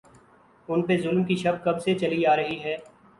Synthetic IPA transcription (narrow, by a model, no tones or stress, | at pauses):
ʊnpezʊlmkiʃɐb̚kɐbset͡ʃɐliaːɾɐɦiɦɛː